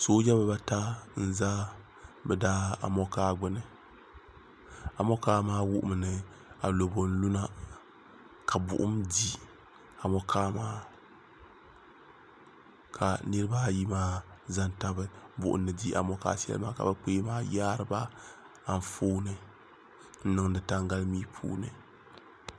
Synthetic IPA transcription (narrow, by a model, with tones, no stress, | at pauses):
soː˦d͡ʒa˦ba˨ba˦ta˦n̩˦˨zaː˦ | bɛ˨daː˦a̰˨mɔ˦kaː˦ɡ͡bɨ˦nɨ˨ | a˨mɔ˦kaː˦maː˦wʊ˦ʔʊ̰˦mɨ˨nɨ˨ | a˨lo˨bo˨n̩˦lu˦na˦ | kʰa˨bʊ̰˨ʔʊ̰˦mdi˦ | a˨mɔ˦kʰaː˦maː˦ | kʰa˨nɨ˦ɾɨ˦baː˦ji˦maː˦za˦nta˦bɨ˦bʊ̰˨ʔʊ̰˨˦n̩ːɨ˨di˦a̰˨mɔ˦ka̰ː˦sɛ̰˦lɨ̰˦ma̰ː˦ka̰˨ba˦k͡peː˦maː˦jaː˦ɾɨ˨ba˦ | a˨n̩˦foː˦nɨ˦ | n̩˦nɨ˦ŋdɨ˨ta˦ŋɡa˦lmiː˦pʰṵː˦nɨ̰˨